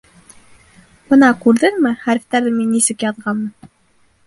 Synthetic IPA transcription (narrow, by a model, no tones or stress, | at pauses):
b̥ɤnɑkʉɾðɘŋmɘχæɾɘ̆ft̪æɾðɘminːisɘkjɑðʁɑmɤn